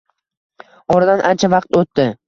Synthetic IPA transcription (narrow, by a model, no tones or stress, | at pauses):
ɒɾad̪anʔant͡ʃʰavɑqt̪ot̪ːɪ